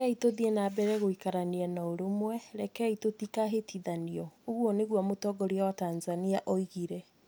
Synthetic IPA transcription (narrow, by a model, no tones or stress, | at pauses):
itoðiɛnabɛɾɛɣoikaɾaniɛnaoɾomwɛɾɛkɛitotikaɦetʰiðaniɔoɣwɔneɣwamotɔɡɔɾiawatanzaniaʔɔiɣiɾɛ